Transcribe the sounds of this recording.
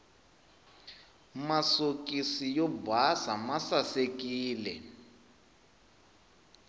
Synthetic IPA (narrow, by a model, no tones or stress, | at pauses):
masokisijɔbʱasamasasekiːlɛ